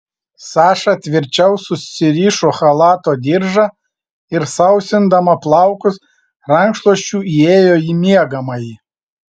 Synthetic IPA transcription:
sɑːʃɑt̪ʲʋʲɪɾʲt͡ʃʲɛʊsʊsːʲɪɾʲiːʃoːxɐlˠɑːt̪oːd̪ʲɪɾʒɑ | ɪɾsɐʊsʲɪnd̪ɐmɐplˠɐˑʊkʊs | ɾɐŋkʃlˠoɔʃʲt͡ʃʲuːieːjoːjiːmʲiɛɡɐmɐji

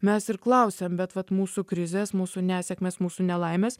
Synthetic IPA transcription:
mʲɛsɪɾklˠɐʊsʲeːmbʲɛt̪ʋɐt̪muːsuːkɾʲɪzʲeːsmuːsunʲæːsʲɛkmʲeːsmuːsuːnʲɛlˠɐɪmʲeːs

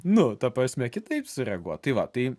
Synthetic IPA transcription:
nʊt̪ɐpɾɐsʲmʲɛkʲɪt̪ɐɪpsʊɾʲɛɡuɔt̪̚t̪ɐɪʋɐt̪ɐɪ

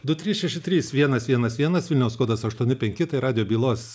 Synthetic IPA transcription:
d̪ʊt̪ʲɾʲiːsʃʲɛʃʲɪt̪ʲɾʲiːsʋʲiɛnɐsʋʲiɛnɐsʋʲiɛnɐsʋʲɪlʲnʲɛʊskoːd̪ɐsɐʃt̪uɔnʲɪpʲɛŋʲkʲɪt̪ɐɪɾɑːd̪ʲɪjoːbʲiːlˠoːs

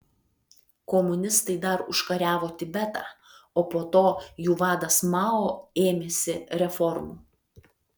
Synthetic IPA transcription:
kɔmʊnʲɪst̪ɐɪd̪ɐɾʊʃkɐɾʲæːʋoːt̪ʲɪbʲɛt̪ɑ̰ː | oːpoːt̪oːjuːʋɑːd̪ɐsmɑːoːeːmʲesʲɪɾʲɛfɔɾmuː

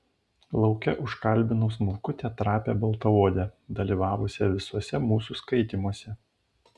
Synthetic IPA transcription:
lˠɒʊkʲɛʔʊʃkɐlʲbʲɪnʊːsmʊlˠkʊt̪ʲɛːt̪ɾɑːpʲḛːbɐlˠt̪ɐoːd̪ʲɛd̪ɐlʲiːʋɑːʋʊsʲɛʋʲɪsuɔsʲɛmuːsuːˑskɐɪt̪ʲimuɔsʲɛ

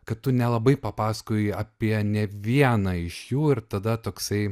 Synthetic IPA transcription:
kɐt̪t̪ːʊnʲɛlˠɐbɐɪpɐpɑːsɐ̥koːɪɐpʲiɛnʲɛʋʲiɛnɐɪʃjuːɪɾt̪ɐd̪ɐt̪oːksɐɪ

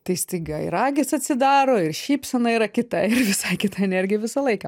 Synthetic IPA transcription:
t̪ɐɪsʲt̪ʲɐɪɡɐɪ̰ɾɑːɡʲɪsɐt̪ʲsʲɪd̪ɑːɾoːɪrʃʲiːpsʲɛnɐiːɾɐkʲɪt̪ɐɪrʋʲɪsɐɪkʲɪt̪ɐɛnʲɛrʲɡʲɪjɛʋʲɪsɐlˠɐɪkɐː

